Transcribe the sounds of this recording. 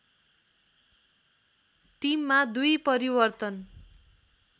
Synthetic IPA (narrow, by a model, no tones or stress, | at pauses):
ʈimːad̪ujpʌɾibʌrt̪ʌn